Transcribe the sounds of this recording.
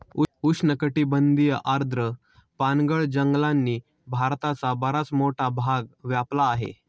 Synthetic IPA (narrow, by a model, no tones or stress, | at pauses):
uuʂnəkəʈiːbənd̪ijəʔaɾd̪ʱɾə | panɡəɭd͡ʑəŋɡlanːiː | bʱaɾt̪at͡sabəɾat͡smoʈʰabʱaɡʋjaplaːɦḛ